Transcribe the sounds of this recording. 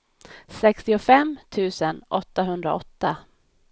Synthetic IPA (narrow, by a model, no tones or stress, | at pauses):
sɛkst̪ɪʊfɛmːt̪ʰʉ̟ːsənʔɔt̪ːaɦɵnd̪ɾa̰ɔt̪ːa